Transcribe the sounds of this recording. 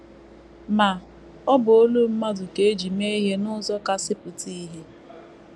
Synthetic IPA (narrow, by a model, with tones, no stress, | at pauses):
ma˨ | ɔ˦bʊ˨o˦lu˦m̩˦ma˦dʊ˨ke˨e˦d͡ʒi˨me˦i˦ɦe˦nʊ˦zɔ˦ka˦sɪ˦pʊ˨ti˦ɦe˦